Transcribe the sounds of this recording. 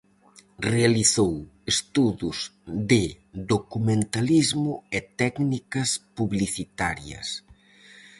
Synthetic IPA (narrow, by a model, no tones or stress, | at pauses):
realiθowest̪uðʊzðɪ | d̪okumẽnt̪alizmʊɛt̪ɛknikɐspuβliθit̪aɾjɐ̰s